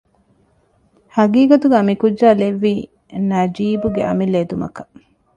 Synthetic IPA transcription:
hɐɡiːɡɐt̪uɡaːmikud͡ʒːaːleʋːiː | nɐd͡ʒiːbuɡeʔɐ̰milːeːd̪umɐ̰kɐ̥

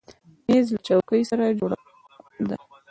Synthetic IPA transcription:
mezlat͡ʃawkəjsaɾad͡ʒoɽa | d̪a̰

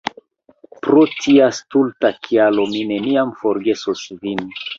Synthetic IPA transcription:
pɾotʰiastultakʰialomine̞niamfoɾɡe̞sosvin

